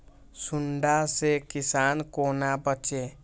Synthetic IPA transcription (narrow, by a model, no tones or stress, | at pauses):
suɳɖasekisankonabətːt͡ʃe